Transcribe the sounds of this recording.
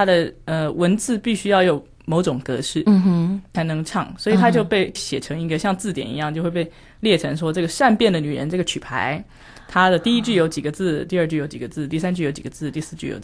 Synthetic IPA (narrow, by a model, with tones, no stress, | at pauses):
t̪ʰa˥d̪ə˨ə˧wə˧˥nt͡sɹ̩˥˧pi˥˩ɕy˥jɑ˥˩ʊjo˨˩ʊ | mo˧˥ʊʈ͡ʂʊ˨˩ŋkɤ̰˧˥ʂɻ̩˥˩˧t͡sʰa˧˥ɪnɤ˧˥ŋʈ͡ʂʰɑ˥˩ŋswɔ˧˥i˨˩t̪ʰa˥t͡ɕjo˥˧ʊpe˥˩ɪɕjɛ˨˩ʈ͡ʂʰɤ˧˥ŋi˧˥ɡə˧ɕjɑ˥˧ŋt͡sɹ̩˥˩t̪jɛ̰˨˩nḭ˧˥jɑ˥˧ŋt͡ɕjʊxwe˥˧pe˥˧ɪ | ljɛ˥˩ʈ͡ʂʰɤ˧˥ŋʂwɔ˥ʈ͡ʂɤ˥˩ɡə˩ʂa˥˧npjɛ˥˩nd̪ə˩ny˨˩ɻə˧˦nʈ͡ʂɤ˥˩ɡə˩t͡ɕʰy˨˩pʰa̰˧˥ɪ | t̪ʰa˥d̪ə˨t̪i˥˩i˦˥t͡ɕy˥˩jo˧˥ʊt͡ɕi˨˩ɡə˩˦t͡sɹ̩˥˩˧t̪i˥˧ə˥˧t͡ɕy˥˩jo˧˥ʊt͡ɕi˨˩ɡə˩˦t͡sɹ̩˥˩t̪i˥˩sa˥nt͡ɕy˥˩jo˧˥ʊt͡ɕi˨˩ɡ̥ə˦t͡sɹ̩˥˧t̪i˥˧sɹ̩˥˧t͡ɕy˥˩jo̰˧˥